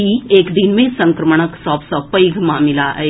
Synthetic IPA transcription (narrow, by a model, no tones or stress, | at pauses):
ieːkd̪ɪnmẽsɐ̃ŋkɾəməɳ̃əksɔːpsɔːpəiɡʱmãmɪlaɦɛ̰ː